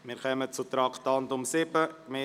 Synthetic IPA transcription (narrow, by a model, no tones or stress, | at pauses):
mɪːɾkœmət͡sut̪ɾɑktɑntʊmsɪbəmɪ